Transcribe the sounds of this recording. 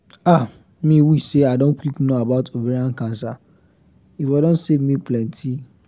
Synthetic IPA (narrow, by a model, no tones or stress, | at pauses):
a | mĩwiseadõnkiknoabaʊtʰobiɾiãn̩kãnsa | ifadõnsevmĩplɛ̃ntʰi